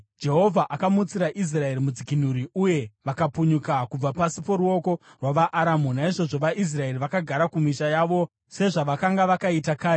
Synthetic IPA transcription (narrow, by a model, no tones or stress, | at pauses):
d͡ʒe̞ɦo̞vʱaʔakamut͡siɾaʔis̬rae̞ɾimud͡zikin̤uɾiuje̞ʋakapuɲukakub͡vapasipo̞ɾuo̞ko̞rwaʋaʔːɾamunaiʐo̞ʐo̞ʋaʔis̬rae̞riʋakaɡʱaɾakumiʃajaːʋo̞ | se̞ʐaʋakaŋɡaʋakaitakaːi